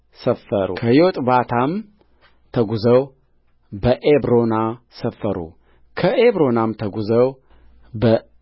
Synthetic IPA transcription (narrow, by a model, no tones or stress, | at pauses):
səfːəɾṵkʰəjot̪ʼbat̪ʰam | t̪ʰəɡuzəw | bəʔebɾo̞na | səfːəɾṵ | kʰəʔeβɾo̞namt̪ʰəɡuzəw | bə